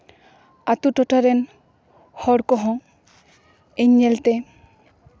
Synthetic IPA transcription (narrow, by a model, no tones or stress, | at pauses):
at̪uʈɔʈaɾen | hɔɽkɔɦɔ̃ | eɲːelt̪e